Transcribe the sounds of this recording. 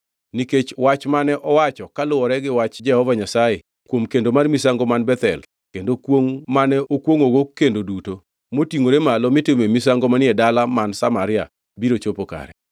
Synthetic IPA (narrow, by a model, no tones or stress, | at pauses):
niket͡ʃwat͡ʃmanɛʔɔwat͡ʃɔkalʊwɔɾɛɡɪwat͡ʃd͡ʒɛhɔvaɲasaje | kwomkendomarmisaŋɡomanbɛt̪ɛ̰l | kendokwoŋmanɛʔokwoŋoɡokːendoduto | motiŋoɾemalɔmɪtɪmemisaŋɡomanɪɛdalamansamaɾɪja̰ | biɾot͡ʃopoka̰ɾɛ